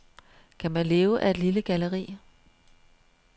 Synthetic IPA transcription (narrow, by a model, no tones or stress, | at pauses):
kʰæmænle̝ːʊəʔæe̝d̥liləɡ̥æləʁḭː